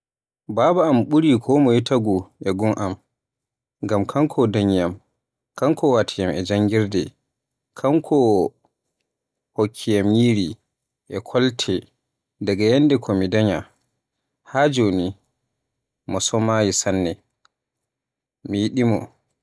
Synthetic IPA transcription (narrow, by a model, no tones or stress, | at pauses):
baːbaːmɓuɾikʰɔmɔjitaɡuʔɛɡuŋʔam | ŋɡamkʰaŋkʰɔdaɲjam | kaŋkʰɔwatʰijamɛd͡ʒaŋɡiɾdɛ | kʰaŋkʰɔ | hokʰːijamjiːɾi | ʔɛkʰɔltʰɛ | daɡajɛndɛkʰɔmidaɲa | had͡ʒoːni | mɔsɔmajisanːɛ | mijiɗimɔ̰